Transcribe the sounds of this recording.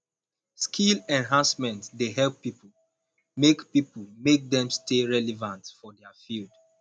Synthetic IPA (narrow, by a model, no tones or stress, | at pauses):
skʰilɛ̃nɦãnsmɛ̃ntdeɦɛlpːipu | mekpipulmek̚dɛ̃msteɹɛlɛvãntfɔdɛafild